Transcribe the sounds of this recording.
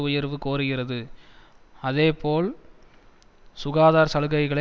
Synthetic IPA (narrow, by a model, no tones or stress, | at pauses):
ʊjɐɾʋɯkoːɾɯɣɪrɐðɯ | ɐðeːpoːl | sʊɣaːðaːɾsɐlɯɣɐɪɣɐɭɐ